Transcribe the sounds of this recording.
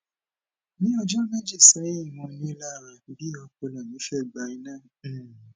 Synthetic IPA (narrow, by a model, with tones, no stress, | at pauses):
nĩ˦ɔ˧d͡ʒɔ˦mɛ̃˦d͡ʒi˦˨sɛ˨˦i˦˨mɔ̃˧nĩ˦la˦˨ɾa˧˨bi˦ɔ˧ko˧la˨nĩ˨˦ʃɛ˦˨ɡ͡ba˧˦i˧nãː˦˨